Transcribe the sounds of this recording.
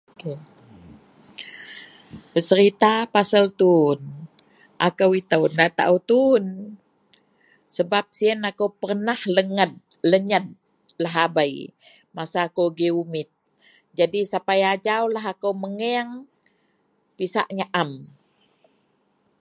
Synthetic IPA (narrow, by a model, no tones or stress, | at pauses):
ke | bəsəɾit̪apasəlt̪un | ʔakəwit̪əwndat̪a̰ʔəwt̪un | səbap̚siənakowpərnahləŋət̪̚ | ləɲət̪̚ | laɦabaj | masaːkowɡiumɪt̪̚ | d͡ʒadisapajad͡ʒawlaɦakəwməŋɛŋ | pisa̰ʔɲaʔam